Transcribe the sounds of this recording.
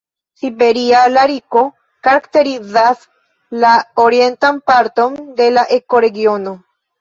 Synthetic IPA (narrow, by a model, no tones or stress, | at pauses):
sibeɾialaɾiko | kaɾakt̪eɾizas | laoɾie̞nt̪ampaɾt̪o̞nd̪e̞laʔeko̞ɾe̞ɡio̞no